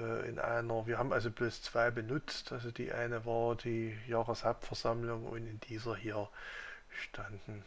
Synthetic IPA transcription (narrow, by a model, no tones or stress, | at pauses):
ɛːʔɪ̰nʔa̰ɪnɐviːɐɦaːbmʔalzobloːst͡sv̥aɪbənʊt͡stʔalzod̥ḭːʔa̰ɪnəvaːɐdiːjaːʁəshapfɛɐzamlʊŋʔʊ̰ntɪnd̥iːzɐhiːɐ | ʃtʰand̥n̩